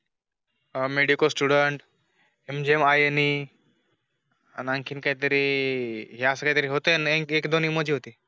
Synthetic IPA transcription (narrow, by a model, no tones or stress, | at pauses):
meɽikəsʈuɽəɳʈ | emd͡ʑiemajeni | a̰nãŋkʰiːnkaɦit̪əɾi | ɦiasəkaɦit̪əɾiɦot̪enekekd̪oniməd͡ʑʱiːɦot̪iː